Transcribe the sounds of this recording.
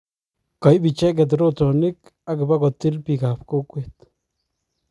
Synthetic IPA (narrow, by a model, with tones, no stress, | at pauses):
ka˨jbi˨t͡ʃe˦ɡ̬e˧˨d̪̬ɾo˦t̪o˨ni˦k | a˦ke˨ba˦ɡo˨t̪i˦lpi˧ɡa˨pko˦kwe˨t̪